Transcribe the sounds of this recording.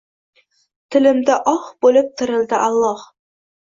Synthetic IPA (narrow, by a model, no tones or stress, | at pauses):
t̪ʰɘ̆lɘ̆md̪ɘʔɑχbulɤp̚t̪ʰɤ̆ɾɤ̆lˠd̪əʔɑlˠːɑh